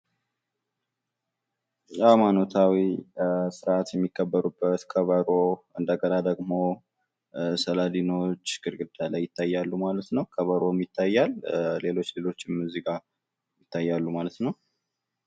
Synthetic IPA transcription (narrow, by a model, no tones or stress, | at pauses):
jamanot̪ʰawisɨɾat̪jɛmːikːəbːəɾubːət̪kʰəβəɾo̞ʔɨnd̪əɡəɾad̪əɡmo̞ | səlad̪ino̞t͡ʃːɡɨɾɡɨd̪ːalajːɪt̪ʰːajːalːumalət̪nəwkʰəβəɾo̞mjɪt̪ʰːajːalle̞lo̞t͡ʃːle̞lo̞t͡ʃːɪmmuziɡa | jɪt̪ʰːajːalːumalət̪nəw